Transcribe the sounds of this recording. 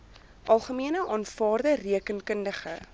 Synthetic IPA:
ʔɑlˠχəmiənəʔɑːnfɑːrdəriəkənkəndəχə

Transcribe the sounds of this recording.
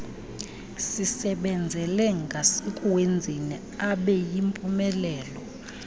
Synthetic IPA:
sisɛɓɛnd͡zʱɛlɛŋɡʱasikʼuwend͡zʱinɛ | aɓɛjimpʼumɛlɛːlɔ

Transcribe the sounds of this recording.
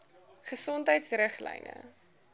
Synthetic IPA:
χəsɔntɦəjtsrəχlɛ̰jnə̰

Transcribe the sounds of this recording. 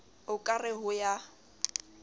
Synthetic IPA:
ʊkʼarɪɦʊja

